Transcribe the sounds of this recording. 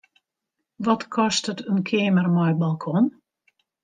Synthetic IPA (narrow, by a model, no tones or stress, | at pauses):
ʋɔtkʰɔstətənkʰeːmərmɔjbalˠkʰɔn